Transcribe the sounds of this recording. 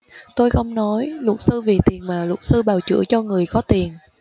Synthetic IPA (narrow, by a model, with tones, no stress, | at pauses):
t̪o˧jxə˧wŋ͡mnɔ˨˦jlʊ˨˩t̚sɨ˧vi˨˩t̪i˨˩ənmaː˨˩lʊ˨˩t̚sɨ˧ɓaː˨˩wt͡ɕɨ̰˧˥ət͡ɕɔ˧ŋɨ˨˩əjxɔ˨˦t̪i˨˩ən